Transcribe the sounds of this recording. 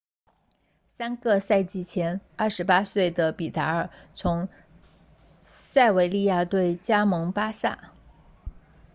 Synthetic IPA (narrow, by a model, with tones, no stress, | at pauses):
sa˥nɡɤ˥˧sa˥˧ɪt͡ɕi˥˩t͡ɕʰjɛ˧˥nɐ˞˥˩ʂɻ̩˧˥pa˥swe˥˩ɪd̪ə˩pi˨˩t̪a˧˥ə˞˨˩t͡sʰʊ˧˥ŋ | sa˥˩ɪwe˧˥ɪli˥˧ja˥˧t̪we˥˩ɪt͡ɕja˥mɤ˧˥ŋpa˥sa̰˥˩